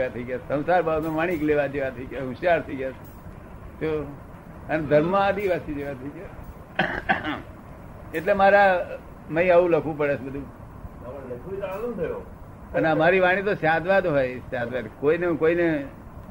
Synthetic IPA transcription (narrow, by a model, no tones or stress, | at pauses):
ʋat̪ʰəiɡjasə̃w̃saɾbabmẽʋaɽ̃ikleʋad͡ʒeʋat̪ʰəiɡjaɦũʃjaɾt̪ʰəiɡjas | t͡ʃo | əned̪ʱəɾmãad̪iʋasid͡ʒeʋat̪ʰəiɡja | eʈlemaɾa | mə̃ĩəʋũləkʰʋũpəɽet͡ʃbəd̪ʱũ | kalunt̪ʰəjo | ənemaɾiʋaɽ̃ĩt̪osjad̪ʋad̪ɦojsjad̪ʋad̪koinekoine